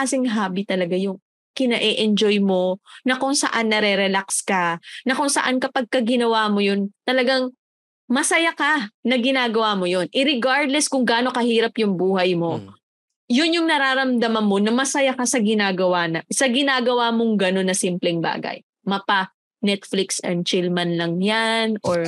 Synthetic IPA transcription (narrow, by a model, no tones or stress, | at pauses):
asɪŋɦaːbit̪ɐlɐɡajʊŋ | kɪnɐʔɛʔɛnd͡ʒojmo̞nɐkʊŋsɐ̰ʔanːɐɾɛɾɛlakskɐnɐkʊŋsɐ̰ʔankɐpɐɡ̚kɐɡɪnɐwaːmo̞jont̪ɐlɐɡaŋ | mɐsɐjakanɐɡɪnaːɡɐwamojo̞nʔɪɾɪɡaɹd̪lɛskʊŋɡaːno̞kɐhiːɾɐpjʊŋbuːhɐjmo̞ | jʊnjʊŋnɐɾaːɾɐmd̪ɐmɐnmo̞nɐmɐsɐjakɐsɐɡɪnaːɡɐwanɐsɐɡɪnaːɡɐwamoŋɡɐno̞nːɐsimplɛŋba̰ːɡɐ̰j | mɐpa | nɛt̪flɪksɛ̰nd̪̚t͡ʃɪlmɐnlɐŋjanʔoɹ